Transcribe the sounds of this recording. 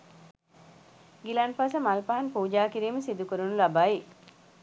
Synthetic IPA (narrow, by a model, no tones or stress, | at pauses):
ɡilaːnpasəmɐlpaɦanpuːd͡ʒaːkiɾiːməsid̪ukuɾunulabaːi